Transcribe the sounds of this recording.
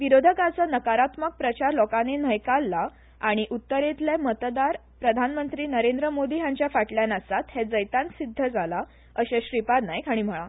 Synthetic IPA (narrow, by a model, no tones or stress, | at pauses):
ʋiɾod̪ʱəkat͡səːnəkaɾat̪mək̚pɾət͡ɕaɾlɔkanenəjkalːa | aɽ̃iʔut̪ːəɾet̪lemət̪d̪aɾ | pɾəd̪ʱanmənt̪ɾiːnəɾend̪ɾəmod̪iːɦjãɲt͡ɕjafaʈljanəsat̪hed͡zəjt̪ãnsid̪ʱːəd͡zala | əɕeɕɾipad̪najkʰaɽ̃im̤əɭa̰